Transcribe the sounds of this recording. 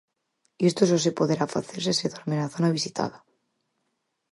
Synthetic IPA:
est̪oesos̬ipoðeɾafa̰θeɾs̬eseðoɾmenaθonaβisit̪ʰa̰ða

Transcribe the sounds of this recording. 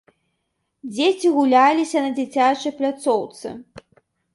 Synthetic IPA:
d͡zʲet͡sʲiɣulʲalʲisʲɐnɐd͡zʲit͡sʲat͡ʂɐjplʲat̪sɔwt̪sɨ̰

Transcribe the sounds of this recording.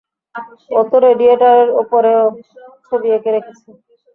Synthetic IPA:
ɔt̪oɾeɖieʈaɾeɾupoɾeoʃʰod̪iekeɾekʰet͡ɕʰe

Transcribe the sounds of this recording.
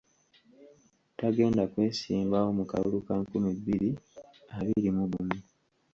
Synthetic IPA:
taɡe̞ːndakwe̞ːsiːmbawo̞muka̰βṵlukaŋkumibːiɾi | aβilimuβumu

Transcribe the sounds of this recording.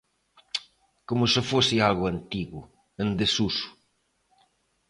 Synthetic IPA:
komʊsɪfosɪalɣʊant̪iɣʊ | ẽnd̪esusʊ̥

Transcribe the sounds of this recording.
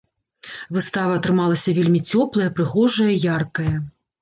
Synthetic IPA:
vɨst̪avɐːt̪ɾɨmalˠɐsʲɐvʲelʲmʲit͡sʲɔplˠɐjɐpɾɨɣɔʐɐjɐjarkɐjɐ

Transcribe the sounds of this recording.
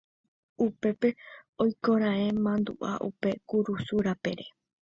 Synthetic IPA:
upe̞pe̞ojkõɾ̃ãẽ̞mãnd̪ṵʔa̰ʔṵpe̞kuɾusuɾape̞̰ɾe̞

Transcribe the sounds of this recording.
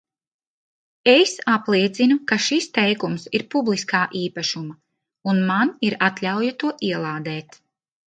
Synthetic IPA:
esaplˠiɛt̪sinukaʃist̪ɛjkumsiɾpublˠiskaːʔiːpaʃuma | unmaniɾat̪ʎʲawjat̪uɔʔiɛlˠaːd̪ɛːt̪

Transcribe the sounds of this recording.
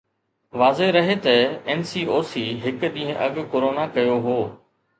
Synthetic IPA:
ʋaːzeɾɐɦet̪ɐɛːnsiːoːsiːɦɪkɗ̪ĩːɦə̃ʔɐɠkoːɾoːnakɐjoɦoː

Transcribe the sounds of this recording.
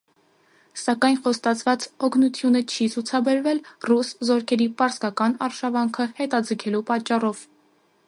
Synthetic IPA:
sɑkɑjnχɔst̪ɑt͡sʰvɑt͡sɔkʰnut̪ʰjunət͡ʃʰit͡sʰut͡sʰɑbɛɾvɛlruszɔɾkʰɛɾipɑɾskɑkɑnɑɾʃɑvɑŋkʰəhɛt̪ɑd͡zəkʰɛlupɑt͡ʃːɑrɔv̥

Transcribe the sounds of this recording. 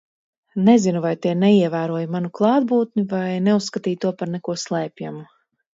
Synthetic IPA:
nɛzinuvajt̪iɛnɛiɛvæːɾuɔjimanuklˠɑːd̪̚buːt̪nivajnɛusːkat̪iːjt̪uɔpaɾnɛkuɔslˠɛːpʲjamu

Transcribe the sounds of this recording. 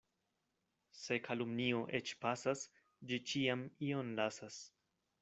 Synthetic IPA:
se̞kʰalumnioʔe̞t͡ʃpasas | d͡ʒit͡ʃiamio̞nlasas

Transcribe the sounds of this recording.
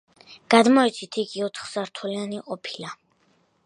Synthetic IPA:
ɡ̥ad̪mɔɛt̪sʰit̪ʰiɡiɔt̪ʰχz̥aɾt̪ʰulianiɔpʰila

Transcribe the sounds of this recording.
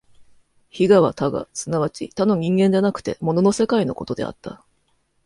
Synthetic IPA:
çiɡaβa̰t̪aɡa̰sɨnaβat͡ɕḭt̪ano̞ɲ̟ĩŋɡẽ̞ɲ̟d͡ʑanakɯ̟̥t̪e̞mo̞no̞no̞se̞kaino̞̰ko̞t̪o̞d̪e̞̰a̰t̪ːa̰

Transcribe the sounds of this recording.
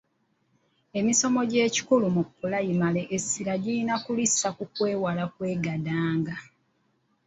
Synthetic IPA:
e̞miso̞mo̞ɟe̞ːci̥kulumukːulajimale̞ʔesːiɾaɟilinakulisakukwe̞ːwalakwe̞ːɡadaːŋɡa

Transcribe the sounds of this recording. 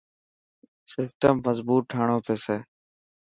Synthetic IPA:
sɪsʈəmːəzbuːt̪̚ʈʰaːɳ̃oːpeːseː

